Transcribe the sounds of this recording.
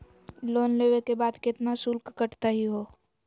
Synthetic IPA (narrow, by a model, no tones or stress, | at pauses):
loːnleːʋekebaːd̪kɪt̪nasʊlkkəʈt̪aɦiɦoː